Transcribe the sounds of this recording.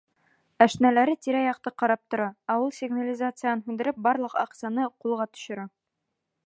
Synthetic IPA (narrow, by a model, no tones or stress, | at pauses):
æʃnælæɾɘt̪iɾæjɒq̚t̪ɤqɒɾɑp̚t̪ŏɾɑæulˠsʲɪɡnalʲɪzat̪sɨjanhʉnd̪ɘ̆ɾɘp̚bɑɾlˠɤ̆qɑ̰qsɑnɤqulˠʁɑt̪ɵ̥̆ɕŏɾɑ